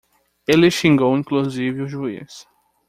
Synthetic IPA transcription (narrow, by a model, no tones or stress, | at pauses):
elɪʃĩŋɡowĩkluzivɪʊʒuḭs